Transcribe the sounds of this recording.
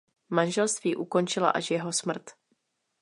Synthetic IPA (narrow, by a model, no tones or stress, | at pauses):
manʒɛlst̪viːʔuko̞nt͡ʃɪla̰ʔaʃjɛɦo̞smr̩t̪